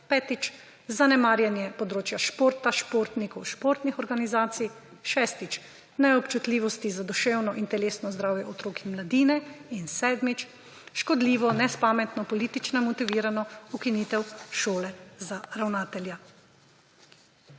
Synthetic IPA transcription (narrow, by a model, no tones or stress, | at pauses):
pɛːt̪it͡ʃ | zanɛmaːɾjɛnjɛpɔd̪ɾoːt͡ʃjaʃpoːɾt̪aʃpoːɾt̪nikɔwʃpoːɾt̪nixɔɾɡanizaːt̪sij | ʃɛst̪it͡ʃ | nɛɔpt͡ʃut̪liːʋɔst̪izad̪ɔʃewnɔʔint̪ɛleːsnɔzd̪ɾaːwjɛɔt̪ɾoːkimlad̪iːnɛinsɛːd̪mit͡ʃ | ʃkɔd̪liːʋɔnɛspaːmɛt̪nɔpɔliːt̪it͡ʃnamɔt̪iʋiːɾanɔukiniːt̪ɛwʃoːlɛzaɾawnaːt̪ɛlja